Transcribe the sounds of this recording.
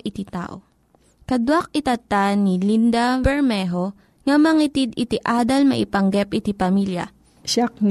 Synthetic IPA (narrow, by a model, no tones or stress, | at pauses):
ʔɪt̪it̪a̰ːʔo | kɐd̪wak̚ɪt̪ɐt̪anilind̪ɐbɛɹmɛɦo̞ | ŋɐmɐŋit̪id̪ɪt̪ɪʔaːd̪ɐlmɐʔɪpɐŋɡɛp̚ʔɪt̪ipɐmiljɐ̰ | ʃak̚n